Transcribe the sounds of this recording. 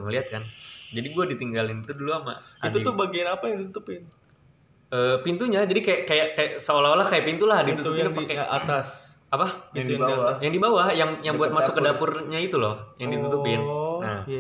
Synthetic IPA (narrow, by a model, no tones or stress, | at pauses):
ŋəliɦat̪̚kand͡ʒadiɡuadit̪iŋɡalɪnit̪uduluama̰adt̪uit̪ʊbaɡinapajaŋdit̪ut̪upɪn | əːpint̪uɲad͡ʒadikajaʔkajaʔkajaʔsəolaɦolahkajapint̪ulahdit̪ut̪upakɛat̪as | apadaajaŋdibawahjaŋjaŋbuat̪̚masʊkːədapʊrɲait̪ulɔhjaŋdit̪ut̪upɪnna